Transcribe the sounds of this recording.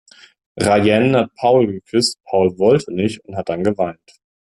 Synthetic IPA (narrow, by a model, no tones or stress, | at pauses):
ʁajɛnhat̚pʰaʊlɡəkʰʏst̚pʰaʊlvɔltʰənɪçtʊnthat̚d̥anɡəvaɪnt